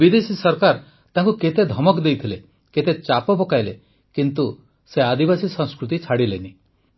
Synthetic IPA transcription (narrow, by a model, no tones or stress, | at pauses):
bid̪esisɔɾkaɾ | t̪aŋkuket̪ed̪ʱɔmɔkd̪ejt̪ʰile | ket̪et͡ʃapɔbɔkajle | kint̪u | sead̪ibasisɔ̃ŋ̃skɾut̪it͡ʃʰaɽileni